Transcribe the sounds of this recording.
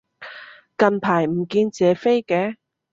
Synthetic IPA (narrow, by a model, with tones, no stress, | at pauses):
kɐ˧npʰaː˨˩jm̩˨˩kiː˧nt͡sɛː˨˧fe˥jkɛː˧˥